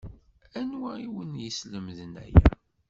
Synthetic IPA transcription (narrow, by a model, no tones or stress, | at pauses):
ænwæiwənjəsləmðənæ̰jæ